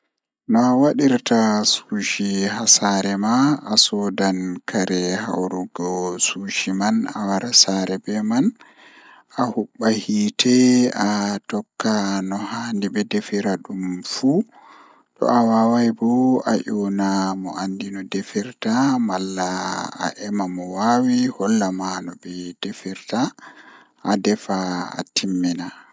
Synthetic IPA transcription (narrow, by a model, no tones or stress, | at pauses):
nɔawaɗiɾtasuʃihasaɾɛmaʔasɔdankʰaɾɛha̰wɾuɡɔsuːʃimana̰waɾasaɾɛbɛman | ahuɓːahiːtʰɛatɔkːanɔhandibɛdefiɾaɗumfu | tɔ̰ʔawawajbɔa̰ʔɔnamɔ̰ʔandinɔdefiɾtamalːaa̰ʔɛmamɔwawihɔlːamanɔbɛd̥efiɾta | ʔːdɛfa̰ːtimːina